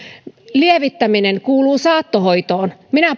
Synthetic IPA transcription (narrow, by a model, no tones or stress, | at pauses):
lieʋit̪ːæmineŋkuːluːsɑːt̪ːohoit̪oːnminæ